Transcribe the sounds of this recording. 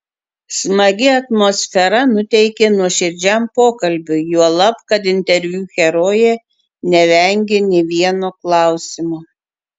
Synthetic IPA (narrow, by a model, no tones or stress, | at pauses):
smɐɡʲɪɐt̪moːsʲfʲɛɾɐnʊt̪ʲɛɪkʲenuɔʃʲɪɾʲd͡ʒʲæmpoːkɐlʲbʲʊjuɔlˠɐpkɐt̪ɪnʲt̪ʲɛɾʲʋʲuːxʲɛɾoːjɛ | nʲɛʋʲɛˑŋʲɡʲenʲɛʋʲiɛnoːklˠɑˑʊsʲɪmoː